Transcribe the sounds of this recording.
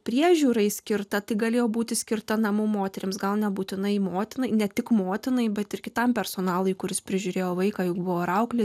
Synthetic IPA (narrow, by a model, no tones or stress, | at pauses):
pʲɾʲiɛʒʲuːɾɐɪsʲkʲɪɾt̪ɐt̪ɐɪɡɐlʲeːjoːbuːt̪ʲɪsʲkʲɪrt̪ɐnɐmuːmoːt̪ʲɛɾʲɪmsɡɐlˠnʲɛbuːt̪ʲɪnɐɪmoːt̪ʲɪnɐɪnʲɛt̪ʲɪkmoːt̪ʲɪnɐɪbʲɛt̪ɪɾkʲɪt̪ɐmpʲɛɾsoːnɑːlˠʊɪkʊɾʲɪspʲɾʲɪʒʲuːɾʲeːjoːʋɐɪkɑːjʊkbʊʋoːɾɐʊklʲɪ